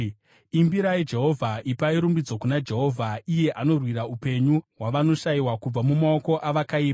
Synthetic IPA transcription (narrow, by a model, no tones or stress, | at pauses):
imbiɾaid͡ʒe̞ɦo̞vʱaʔipaiɾumbid͡zo̞kunad͡ʒe̞ɦo̞vʱaije̞ʔano̞rwiɾaupe̞ɲuɦwaʋano̞ʃaiwakub͡vamumaoko̞ʔaʋakaiːpa